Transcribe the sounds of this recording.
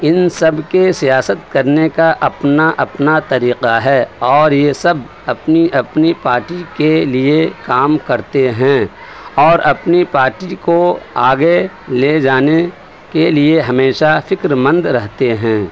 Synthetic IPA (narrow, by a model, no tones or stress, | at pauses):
ɪnsɐbkesijaːsət̪̚kɐɾnekaʔɐpnaʔɐpnat̪ɐɾiːqaɦɛːɔːɾjesɐb | ɐpniʔɐpnipaːɾʈikeliekaːmkɐɾt̪eɦɛ̃ː | ɔːɾɐpnipaːɾʈikoaːɡe | led͡ʒaːne | kelieɦɐmeːʃafɪkɾmə̃nd̪ɾɐɦt̪eɦɛ̃ː